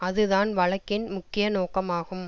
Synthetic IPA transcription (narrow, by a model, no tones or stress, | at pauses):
ɐðɯðaːnʋɐɭɐkːɪnmʊkːɪjɐnoːkɐmaːɣɯm